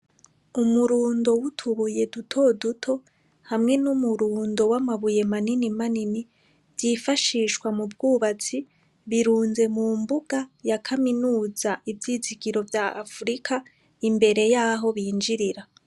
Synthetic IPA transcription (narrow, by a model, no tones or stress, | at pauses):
umuɾuːndo̞wutʰuβuje̞dutʰo̞dutʰo̞ | hamŋe̞numuɾuːndo̞wamaβuje̞maninimanini | vjifaʃiːʃkwamubɡuːβat͡si | βiɾuːnze̞mumbuɡ̥ajakʰaminuːzaʔivjiːziɡiɾo̞vjaʔa̰fuɾikʰa | imbe̞ɾe̞jaːɦo̞βiːnd͡ʒiɾiɾa